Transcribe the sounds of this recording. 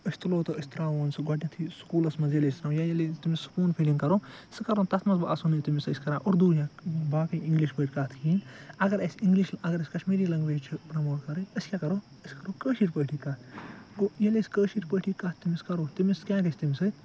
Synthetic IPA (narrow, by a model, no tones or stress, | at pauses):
əsʲt̪loːt̪ɔəsʲt̪ɾaːʋoːnsɨɡɔʈʲĩt̪ʰiskuːlɐsmɐzjɐlest̪ɾaːjajɐlt̪imisu̥puːnpʰilĩŋkɐɾoːsɨkɐɾont̪ɐt̪ʰmɐsbʔɐsunit̪imisəsʲkɐɾãːʔoɾd̪uːɾjãːbaːkɐjĩŋɡliʃbəːʈʲkɐt̪ʰkiːnɐɡɐɾɐsʲiŋɡliʃɐɡɐɾɐsʲkɐʃmeːɾiːlɐŋɡʋeːt͡ʃʰipɾɐmoːʈkɐɾɨəsʲkʲakɐɾoː | əsʲkɐɾoːkəːʃiːʈpəːʈʰikɐɡojɐleskəːʃiːʈpəʈʰikɐt̪imiskɐɾoːt̪imiskʲãːɡɐsʰʲt̪imsɨ